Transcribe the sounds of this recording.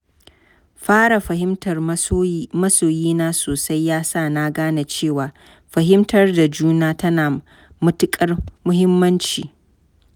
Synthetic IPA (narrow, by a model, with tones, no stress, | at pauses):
ɸaː˦ɽa˨ɸɐ˨ɦɪ˦mtɐ˨r | mɐ˦soː˨jiː˦naː˦soː˨sa˦jːaː˦saː˦˨na˦ɡaː˦na˨t͡ʃeː˦˨waː˨ | ɸɐ˨ɦɪ˦mtʰɐ˨rda˨d͡ʒuː˦naː˦tɐ˦naː˨ | mʊ˦tʊ˦kʼɐ˦rmʊ˦hɪ˦mːɐ˦nt͡ʃḭː˨